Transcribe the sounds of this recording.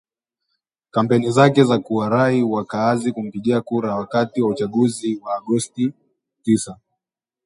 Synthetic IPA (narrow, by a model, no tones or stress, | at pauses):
kam̩pɛnizakɛzakuwaɾaiwakaːzikum̩piɠiakuɾawakatiwaut͡ʃaɠuziwaːɠɔsti | tisa